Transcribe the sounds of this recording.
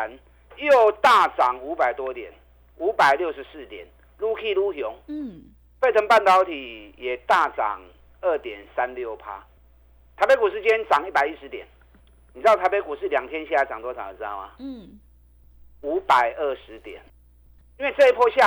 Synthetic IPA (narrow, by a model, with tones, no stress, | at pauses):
n | jo˥˨˩ʊt̪a˥˨t͡sɑ˨˩ŋu˧˥pa˨˩ɪt̪wɔ˦t̪jɛ̰˨˩n | u˧˥pa˨˩ɪljo˥˩ʊʂɻ̩˧˦sɹ̩˥˩t̪jɛ̰˨˩n | lu˥˦kʰi˥˧lu˥˧ɦjɔ˨˦ŋ | fe˥˩t͡sʰə˧˥ŋpa˥˨nt̪ɑ˨˦ʊt̪ʰi˨˩jɛ˨˩t̪a˥˨t͡sɑ̰˨˩ŋ | ə˥˩t̪jɛ˨˩nsa˦nljo˥˨˩ʊpʰa̰˦ | t̪ʰa˨˥ɪpe˧˥ku˨˩ʂɻ̩˥˧t͡ɕjɛ˦nt͡sɑ˨˩ŋi˥˩pa˨˩ɪi˦˥ʂɻ̩˧˦t̪jɛ̰˨˩n | ni˨t͡s̪a˥˩t̪ʰa˧˦ɪpe˧˥ku˨˩ʂɻ̩˥˩lja˨˩ŋt̪ʰjɛ˦nɕa˥˧a˧˦t͡sɑ˨˩ŋt̪wɔ˥t͡sʰa˨˦˨ʈ͡ʂ̩ɨ˧t̪a̰˥˩ʊma̰˨ | u˧˥pa˨˩ɪʔə˥˩ʂɻ̩˧˦t̪jɛ̰˨˩n | i˥˦nwe˥˧t͡se˥˧i˦˥pʰɔ˥˧ɕja˥˨